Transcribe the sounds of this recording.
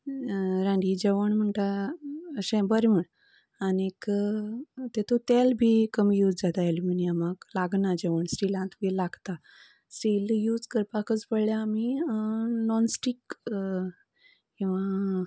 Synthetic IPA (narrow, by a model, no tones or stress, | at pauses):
ɾãɳɖid͡ʑeʋəɳm̤əɳt̪aəɕɛ̃bəɾm̤əɳ | anek | t̪et̪ʰot̪elbʱiːkəmjuːd͡zd͡zat̪aeluminiamaɡlaɡnad͡ʑeʋəɳsʈilãt̪bilaɡt̪a | sʈiljuːd͡zkəɾpakət͡spəɭljaːmi | nɔnsʈik | kĩw̃ʋa